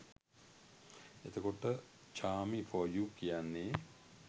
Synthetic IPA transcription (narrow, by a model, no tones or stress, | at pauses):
et̪əkoʈə | t͡ʃaːmifojuːkijanːe